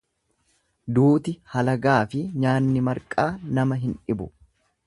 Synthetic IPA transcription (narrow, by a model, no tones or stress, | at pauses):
d̪uːt̪ɪhɐlɐɡaːfɪɲaːnːɪmɐɾkʼaːnɐmɐɦɪnᶑɪbʊ